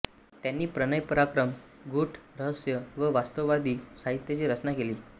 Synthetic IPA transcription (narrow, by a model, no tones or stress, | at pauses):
t̪janːiːpɾənəjpəɾakɾəm | ɡuʈɾəɦəsjəʋəʋast̪əʋʋad̪iːsaɦit̪jət͡ɕiːɾət͡snakeliː